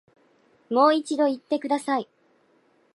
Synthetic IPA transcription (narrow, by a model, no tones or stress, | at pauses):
mo̞ːit͡ɕid̪o̞it̪ːe̞kɯ̟d̪asai